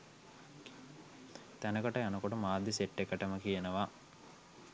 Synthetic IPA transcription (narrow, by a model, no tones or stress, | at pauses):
t̪ænəkəʈɐjanəkoʈəmaːd̪ːiseʈːekəʈəməkijenəʋa